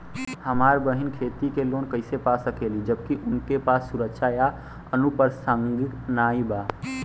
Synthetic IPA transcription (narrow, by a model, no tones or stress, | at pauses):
həmaːɾbəɦɪnkʰeːt̪ikeloːnkəɪsepasəkeːlid͡ʒəb̚kiʔʊnkepaːsːʊɾəkʃʰaja | ənupəɾsə̃ŋɡknaːibaː